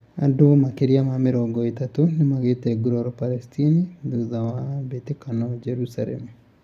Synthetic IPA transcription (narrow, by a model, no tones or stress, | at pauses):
a̰domakeɾjamamɪɾɔɡɔetatonɪmaɡeteɡuɾɔɾɔpalɛstʰiniduðawabetekanɔd͡ʒɛɾusalɛ̰mu